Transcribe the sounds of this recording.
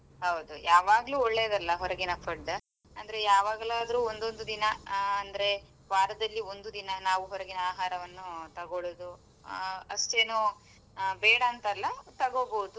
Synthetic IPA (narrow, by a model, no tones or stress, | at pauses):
ɦɐwd̪ujaːʋaːɡɐluːɔɭːeːd̪ɐlːɐɦɔɾɐɡinɐpʰɐɖɐ | ɐnd̪ɐɾejaːʋaːɡɐlaːd̪ɐɾuːond̪o̞nd̪ud̪inɐɐnd̪ɐɾe̞ | ʋaːɾɐd̪ɐlːiond̪ud̪inɐnaːʋuɦɔɾɐɡinɐaːɦaːɾɐʋɐnːut̪ɐɡoɭod̪u | ɐʂʈe̞ːnoː | bɛːɽɐːnt̪ɐlːɐt̪ɐɡo̞ːboːd̪u